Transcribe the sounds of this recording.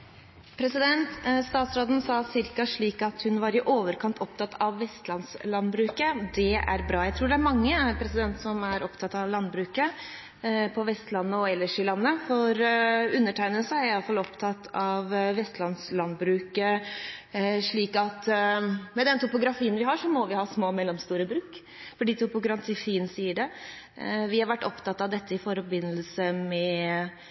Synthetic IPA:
pʰɾɛsɪd̪ɛnt̪st̪ɑːt̪sɾoːd̪n̩sɑːsɪɾkɑʂɭiːkɑt̪hʉnʋɑɾɪʔoːʋəɾkʰɑnt̪ʰɔp̚t̪ʰɑt̪ʰɑʋːɛst̪lɑnslɑnbɾʉːkəd̪ɛæ̰ɾbɾɑːjæɪt̪ʰɾuːɖɛæɾmɑŋːəpʰɾɛsɪd̪ɛnt̪sɔmæɾɔpt̪ʰɑt̪ːɑʋlɑnbɾʉːkə | pʰɔʋɛst̪lɑnːəɔɛlːəʂɪlɑnːəfɔɾʉnːəʈʰæɪnəlsəæɾɪɑlfɑlɔpt̪ʰɑt̪ʰːɑʋʋɛst̪lɑnslɑnbɾʉːkə | ʂɭiːkɑt̪ | mɛd̪ɛnt̪ʊpʊɡɾɑfiːənʋɪɦɑʂɔmɔʋɪhɑːsmoːmɛlːɔmst̪uːɾəbɾʉːk | fɔɖiːt̪ʰʊpʊɡɾɑnt̪ʰifiːənsiːəɖɛ | ʋɪhɑɾʋæʈːɔpt̪ɑt̪ːɑʋd̪ɛt̪ːəɪfɔɾbɪnːəlsəmɛ

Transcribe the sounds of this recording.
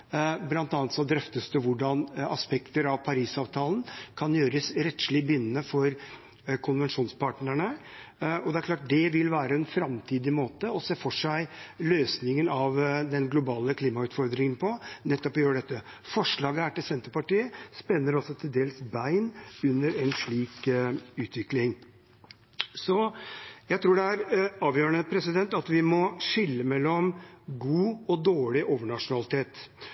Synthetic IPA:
blɑnt̪ɑːnt̪sɔd̪ɾœft̪əst̪əʋʊɖɑnɑspɛkt̪əɾɑʋpʰɑɾiːsɑːʋt̪ʰɑːlnkʰɑnjøːɾəsɾɛt̪ʂlɪbʏnːnəfɔɾ | kʰʊnʋɛnʂuːnspʰɑːʈnæɳə | ɔd̪ɛæɾkʰlɑːʈ̚d̪ɛʋɪlʋæːɾəɛnfɾɑmt̪ʰiːd̪ɪmoːt̪əɔseːfɔʂæɪløːsnɪŋənɑʋd̪ɛnɡlʊbɑːləkʰliːmɑʉːt̪fɔɾd̪ɾɪŋənpʰɔnɛt̪ːɔpɔjøːɖɛt̪ːə | fɔʂɭɑːɡəæʈɪlsɛnt̪əɾpɑʈiːəspɛnːəɾɔsɔt̪ʰɪld̪eːlsbæɪnʉnːəɾɛnʂɭiːkʉːt̪ʰʋɪklɪŋ | sɔjæɪt̪ʰɾuːɖɛæɾɑːʋjøːɾəɳəpʰɾɛsɪd̪ɛnt̪ɑt̪ʋɪmɔʂɪlːəmɛlːɔmɡuːɔd̪oːɭɪʔoːʋəɳɑʂʊnɑlɪt̪ʰeːt̪

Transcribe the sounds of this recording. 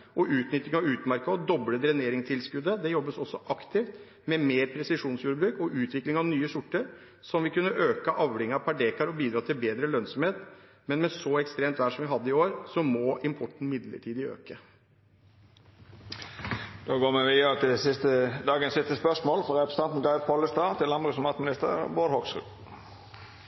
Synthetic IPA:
ʔɔʉːt̪nʏt̪ːɪŋɑʉːt̪mæɾkəɔd̪ɔbləd̪ɾɛneːɾɪŋst̪ʰɪlskʉd̪ːəd̪ɛjɔbːəsɔsːɔʔɑkt̪ɪft̪ | mɛmeːɾpʰɾɛsɪʂuːnsjuːɾəbɾʉːkɔʔʉːt̪ʰʋɪklɪŋɑʋnyːəsʊʈːəɾ | sɔmʋɪkʉnːəʔøːkəʔɑʋɾɪŋɑpʰɑɖeːkɑɾɔbiːd̪ɾɑːt̪ʰɪlbeːd̪ɾəlœnsɔmheːt̪ | mɛnmɛsɔɛkst̪ɾeːmt̪ʋæːʂɔmʋɪɦɑd̪ːəɪoːɾsɔmɔʔɪmpʰɔʈːɳ̩mɪd̪lə̰ʈʰiːd̪ɪø̰ːkə | d̪oːɡoːmɛʋiəət̪ɪsɪst̪əd̪ɑːɡənsɪst̪əspœsmoːlfɾɔʁɛpɾə̥st̪ɛnt̪n̩ɡɑɪʋpʰɔləst̪ɑːt̪ʰɪlɑmbʁʉsɔmɑt̪mɪnɪst̪ə̰ɾboːɾhɔksɾʉ̰

